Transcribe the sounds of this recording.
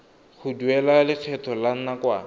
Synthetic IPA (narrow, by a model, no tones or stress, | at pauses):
χʰʊduɛlalɪk͡xʰɛtʰɔlan̩nakwa